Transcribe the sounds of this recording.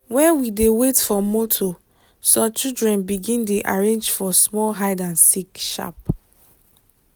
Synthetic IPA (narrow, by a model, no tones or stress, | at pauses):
wɛ̃nwidewetfɔmotʰo | sɔ̃t͡ʃildɹɛ̃nbiɡĩndeʔaɹẽnd͡ʒfɔsmɔlɦaɪdãnsikʃa̰p